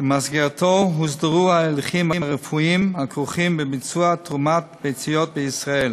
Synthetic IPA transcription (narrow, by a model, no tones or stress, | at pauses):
bmasɡɛʁtʰoɦusdəʁuːaɛlχimaʁəfuimhakʰuχimbɪbɪt͡suatʁumat̚bejt͡sijɔt̚bɪisʁaɛl